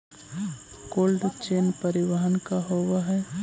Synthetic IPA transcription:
koːlɖt͡ʃeːnpɐɾɪʋaɦənkaɦoʋaɦɛ

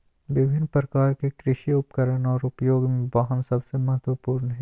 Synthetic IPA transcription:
ʋɪbʱɪnːpɾəkaːɾkekɾɪʃiʊpkəɾənɔːɾʊpjoːɡmẽbaɦənsɐbsemɐɦət̪ʋəpuːɾnɦɛ̃ː

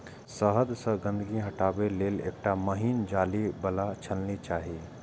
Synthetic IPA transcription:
səɦəd̪səɡə̃nd̪əɡĩɦɐʈaːbeleːlḛːk̚ʈaməɦiːnd͡ʒaːlibɐlat͡ʃʰəlnit͡ʃaːɦi

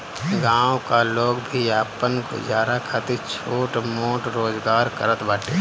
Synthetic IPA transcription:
ɡãːwkaloːɡbʱiaːpənko̰d͡ʒjaːɾakʰat̪it͡ʃʰoːʈmoːʈɾoːzɡaːɾkəɾət̪baːʈeː

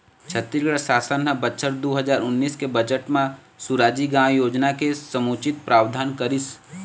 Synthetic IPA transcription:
t͡ʃʰət̪ːiɾɡɽəsaːsənɦəbətːʃʰəɾd̪oːɦəd͡ʒaːɾʊnːiːskebəd͡ʒəʈmẽ | suɾaːd͡ʒiɡãjoːd͡ʒnakesəmoːt͡ʃɪt̪̚pɾaːwd̪ʱaːnkəɾɪs

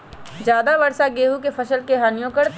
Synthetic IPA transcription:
d͡ʒjaːd̪aʋɐɾsaɡeːɦukefʰɐʃəlkeɦɐnjõːkəɾt̪

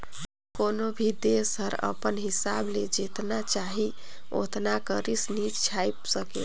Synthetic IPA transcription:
konobʱid̪esəɾə̰pənɦisabled͡ʒet̪nat͡ʃaɦi | o̰t̪nakəɾisnit͡ʃt͡ʃʰajpsəkḛ

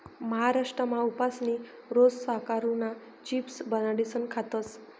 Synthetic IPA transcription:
məɦaɾaʂʈɾəmãupasni | ɾossəɦkaɾũna | t͡ɕipsbənaɽisənkʰat̪əs

